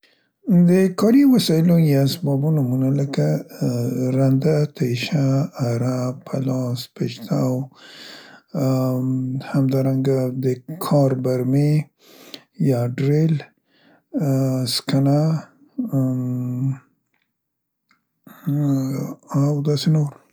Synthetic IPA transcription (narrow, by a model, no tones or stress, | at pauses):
d̪əkɑɾiwasɑɪlojasbɑbunamunaləka | ɾand̪at̪aʃaːɾapʰalɑspeʃt̪ʰaw | hamd̪ɑɾaŋɡad̪əkʰɑɾbaɾme | jɑɖɾel | skana | awd̪ɑsenoɾ